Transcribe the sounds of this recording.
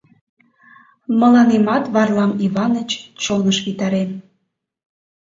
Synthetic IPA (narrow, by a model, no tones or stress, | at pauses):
mə̆lɑnemɑt̪βɑrlɑmiβɑnət͡ɕt͡ɕonəʃβit̪ɑɾem